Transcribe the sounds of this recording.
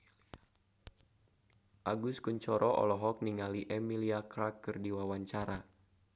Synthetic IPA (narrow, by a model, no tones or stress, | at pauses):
ʔaɡuskuɲt͡ʃɔɾɔʔɔ̰lɔɦɔk̚niŋaliʔɛmiliakɾakːɨrdiwawaɲt͡ʃaɾa